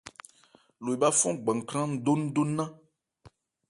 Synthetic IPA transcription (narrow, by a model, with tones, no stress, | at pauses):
lo˨i˨ba˦fɔ̃˦ɡ͡bã˨ŋ˨kɾã˦n̩˦do˦nũ˦do˦nã˦